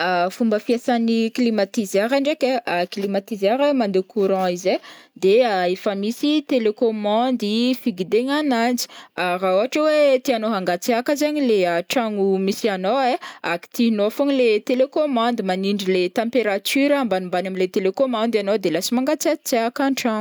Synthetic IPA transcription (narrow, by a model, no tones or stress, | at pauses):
afumbəfiasaniklimat̪izaɾaɳɖ͡ʐekʲeaklimat̪izaɾemand̪ekʰuɾɑ̃ized̪eaefəmisit̪elekomɑ̃nd̪ifiɡid̪eɲananzi̥aɾaoaʈ͡ʂəwet̪ianoɦaŋɡat͡seakəzaɲileəʈ͡ʂaŋumisianoeaki̥t̪inoafoŋilet̪elekomɑ̃nd̪imaniɳɖ͡ʐilet̪ɑ̃mpeɾat̪yɾambanumbanamilet̪elekomɑ̃nd̪anod̪elasimaŋɡat͡sat͡seakãʈ͡ʂaŋu